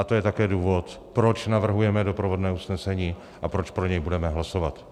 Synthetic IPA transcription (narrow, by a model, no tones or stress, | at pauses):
at̪o̞jɛt̪akɛːduːvo̞t̪ | pɾot͡ʃnavr̩ɦujɛmɛdopɾovodnɛːusnɛsɛɲiː | ʔapɾo̞t͡ʃpɾoɲɛjbudɛmɛɦlasovat̪